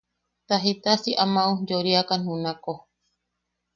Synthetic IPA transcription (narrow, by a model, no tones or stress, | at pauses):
t̪aɦit̪asiʔamãud͡ʒoɾiakanũnãko